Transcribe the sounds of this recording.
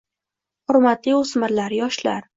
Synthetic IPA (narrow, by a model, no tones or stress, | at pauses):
hʊɾmat̪liʊsmɪɾlaɾjɒʃla̰ɾ